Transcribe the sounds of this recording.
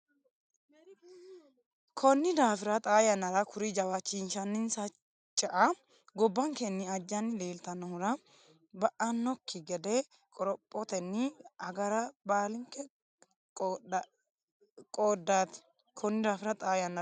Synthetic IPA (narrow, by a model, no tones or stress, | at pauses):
kʰɔnːɪd̪aːfɪɾɐt̪ʼaːjɐnɐɾɐkʰʊɾɪd͡ʒɐwat͡ʃːinʃɐnːɪnsɐ | t͡ʃʼːɐʔɐ | ɡɔbːɐŋkɛnːɪɐd͡ʒːɐnːɪle̞ːlt̪ɐnːɔhʊɾɐ | bɐʔɐnːɔkːɪɡɛd̪ɛ | kʼɔɾɔpʼːɔt̪ɛnːɪɐɡɐɾɐbaːlɪŋkɛ | kʼoːd̪at̪ɪ̥ | kʰɔnːɪd̪aːfɪɾɐt̪ʼaːjɐnɐ